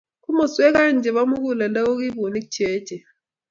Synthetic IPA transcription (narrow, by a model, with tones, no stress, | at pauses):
ku˦mɔ˨sɛ˦k̬a˦˨nd͡ʒʱɛ˨ɓa˦mu˦k̬u˨la˨nda˦o˦k̬i˦ɓo˨ni̥˦t͡ʃʰɛː˦d̥ʒ̥ʱɛ˨